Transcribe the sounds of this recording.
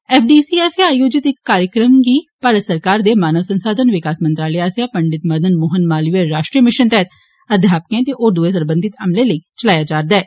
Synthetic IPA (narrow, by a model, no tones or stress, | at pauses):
ɛːfʰɖiːsiːaːsaːjoːd͡ʒɪt̪ɪkːaːɾjəkɾəmɡiːpaːɾəsəɾkaːɾd̪eːmaːnəʋsənsaːd̪ʱənʋɪkaːsmənt̪ɾaːləjaːsjapəɳɖɪt̪məɾd̪ənmoːɦənmaːliʋeɾaːʃʈɾiːəmɪʃənt̪ɛɦət̪ | ɐd̪ʱjaːp̚kẽːt̪eʔoːd̪uesəɾbə̃nd̪ʱɪt̪ɐmleləit͡ʃəlaːjaːd͡ʒaːɾd̪aɛː